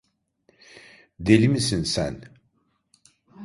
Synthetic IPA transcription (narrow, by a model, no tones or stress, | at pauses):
d̪elimisinsæ̰n